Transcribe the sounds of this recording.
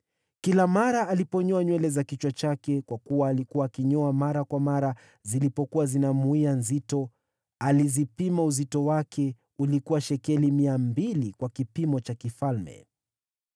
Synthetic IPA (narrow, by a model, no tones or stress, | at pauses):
kilamaɾaːlipɔɲɔaɲwɛlɛzakit͡ʃwat͡ʃakɛkwakuwaːlikuwaːkiɲɔamaɾakwamaɾa | zilipɔkuwazinamuianzitɔ | alizipimauzitɔwakʰɛ | ulikuwaʃɛkɛlimiambilikwakipimɔt͡ʃakifalmɛ̰